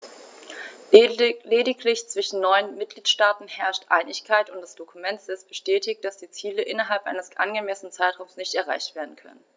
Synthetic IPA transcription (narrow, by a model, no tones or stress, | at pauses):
leːdɪkʰlɪçt͡sv̥ɪʃn̩nɔʏənmɪt̚ɡ̥liːtʃtaːtn̩hɛɐʃtʔa̰ɪnɪçkʰaɪtʊntd̥asd̥okʰumɛntɛsb̥əʃtɛːtɪkt̚d̥asd̥iːt͡siːləʔɪnɐɦalpʔa̰ɪnəsʔa̰nɡəmɛsənənt͡saɪtʁ̥aʊmsnɪçtɛɐʁ̞a̰ɪçtv̥eːɐdn̩kʰœ̰nən